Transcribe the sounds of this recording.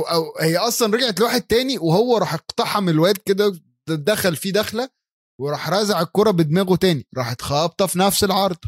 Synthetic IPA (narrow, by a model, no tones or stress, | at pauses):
ʔʔæwhejːæʔɑsˤlɑnɾˤɑɡʕet̪lwaːħed̪̚t̪æːniwehowːæɾˤɑːħeqt̪ɑħɑmelwæːt̪̚ked̪æ | d̪æxælfid̪æxlæ | weɾˤɑːħɾˤɑzaʕekːoɾˤɑbed̪mæːɣot̪æːniɾˤɑːħet̪xɑːb̚t̪ˤɑfinæfselʕɑɾˤd̪ˤ